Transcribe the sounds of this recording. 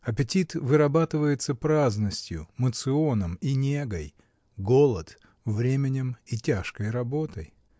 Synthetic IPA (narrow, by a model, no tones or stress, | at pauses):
ɐpʲɪtʲit̪vɨɾɐbat̪ɨvəjɪt̪səpɾaznəsʲtʲjʊmət̪sɨo̞nəminʲe̞ɡəj | ɡo̞lˠət̪ | vɾʲemʲɪnʲɪmitʲaʂkəjrɐbo̞t̪əj